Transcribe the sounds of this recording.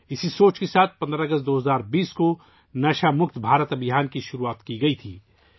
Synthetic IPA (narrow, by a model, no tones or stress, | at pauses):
ɪsisoːt͡ʃkesaːt̪̚ʰpɐ̃nd̪ɾaɐɡəst̪̚d̪oːɦɐzaːɾbiːsko | naːʃamʊkt̪bʱaːɾət̪ɐbɪɦaːnkiʃʊɾuaːt̪kiɡɐit̪ʰiː